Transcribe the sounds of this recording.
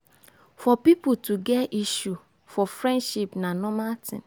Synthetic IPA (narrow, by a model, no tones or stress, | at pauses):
fɔpipʊtuɡɛiʃu | fɔfɾɛ̃ndʃipnanɔmatʰɪ̰̃n